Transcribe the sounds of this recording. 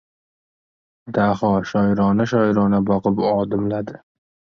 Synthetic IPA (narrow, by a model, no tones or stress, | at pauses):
d̪ahɒʃɒjɾɒnaʃɒjɾɒnabɒqɨpɒd̪ɪmlad̪ɪ